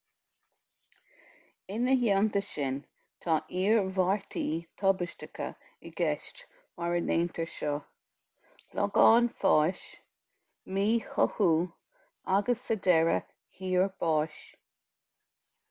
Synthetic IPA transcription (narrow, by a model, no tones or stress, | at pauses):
ɪnəhjamt̪əʃɪn | t̪ʰɑːʔiːɹvaɹt̪ʰiːt̪ʰɔbəʃtəkʰə̰ | ɪɡɛʃt | waɹəneːnt̪ʰəɹʃɔ | lɔ̰ɡɑːnfɑːʃ | miːhɔhuː | aɡəsədɛɹə̰ | hiːɹb̥ɑːʃ